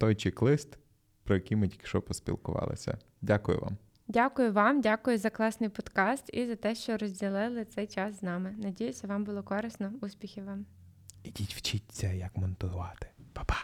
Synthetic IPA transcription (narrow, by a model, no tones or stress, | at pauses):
t̪ɔjt͡ʃɪklˠɪst̪ | pɾɔjɐkʲimɪdʲikʃɔpɔspʲḭlˠkʊ̰ʋɑ̰lˠɪ̰sʲɐ̰ | dʲakʊjʊ̰ʋɑ̰m | dʲakʊjʊʋɑmdʲakʊjʊzɐklˠɑsnɪjpɔd̪kɑst̪izɐt̪ɛʃt͡ʃɔɾɔzʲdʲilˠɪlˠɪt̪sɛjt͡ʃɑsznɑmɪnɐdʲijʊsʲɐʋɑmbʊlˠɔkɔɾɪsnɔusʲpʲixʲɪʋɑm | idʲitʲʋt͡ʃitʲt͡sʲːɐjɐkmɔnt̪ʊʋɑt̪ɪ̥pḁpɑ̥